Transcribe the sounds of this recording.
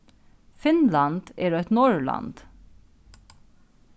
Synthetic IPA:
fɪnlɑnd̪̥eːɾoːɛt̪nɔɹlɑ̰nd̪̥

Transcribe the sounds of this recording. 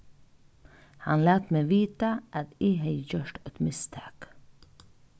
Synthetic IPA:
hɑnlæːt̪meːʋiːt̪aʔat̪iɦɛjçœʃʈɛt̪mɪst̪ʰɑːk

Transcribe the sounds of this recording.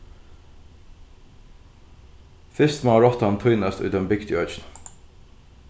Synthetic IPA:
fɪst̪mɑɹɔt̪ɑnt̪ʰʊnəst̪ʉ̰ːd̪ɛmbɪkt̪ɪœːt͡ʃn̩

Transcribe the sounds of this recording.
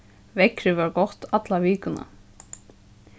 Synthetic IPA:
vɛkɾɪʋaɾɡɔht̪at̪laʋiːkʏna̰

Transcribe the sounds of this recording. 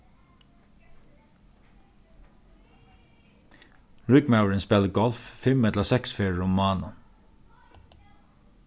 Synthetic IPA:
ɹɪɡmaʊəɹənspɛləɡɔlffɪmɛt̪lɑsɛksfeːɹɹʊmɑːnə

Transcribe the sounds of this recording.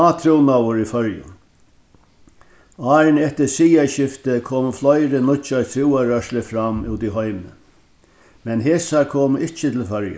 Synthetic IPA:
aːt̪ʰɾuwnawʊɾifœɹjʊ̰ | aːɾnɛht̪əsiːjaɕɪft̪əkʰoːmflɔjɾɪnʊt͡ʃaɹt̪ʰɾɪwaɾœʃlɪfɾamuːt̪iɦɔɪmnə̰ | mɛnɦeːsaɾkʰoːmɪt͡ʃɪt̪ʰɪlfœɹjə̰

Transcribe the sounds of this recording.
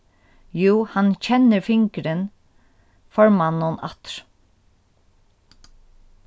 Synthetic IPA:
juːhɑnc͡çɛnːəɾfɪŋkɾən | fɔɹmanːʊnɑ̰t̪ɾ̥

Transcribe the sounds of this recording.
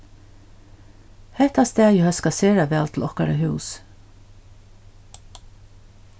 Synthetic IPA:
hɛt̪ɑst̪æːjəhœskɑseːɾɑʋɛɑlt̪lʔɔkɑɾəhʉːs

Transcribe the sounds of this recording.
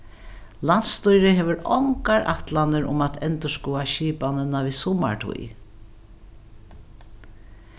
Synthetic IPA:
lant̪st̪ujɾɪɦɛːʋəɾɔŋkaɹʔa̰ht̪lanɪɾʊ̰mat̪ʰɛnt̪əskɔːaʃiːpanənavisʊma̰ɹt̪ʰṵj

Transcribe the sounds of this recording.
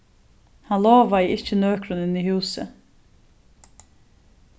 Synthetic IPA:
hɑnloːʋɑiːʔɪçənøːkɾʉnɪniːhʉːsə̰

